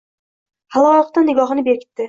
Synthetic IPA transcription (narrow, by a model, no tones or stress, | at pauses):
halˠɒjɨq̚t̪anːɪɡɒɦɨnɪbekʲʰɪ̥t̪ːɪ